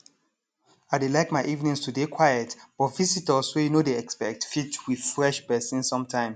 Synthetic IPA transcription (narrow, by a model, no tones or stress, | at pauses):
aɪdelaɪkmaɪʔivnĩŋstʰudekʰwajɛtb̥ɔtvisitəsojunodeɛkspɛk̚tfitwið̥fɹɛʃpɛsĩnsɔ̃mtʰãɪ̃ms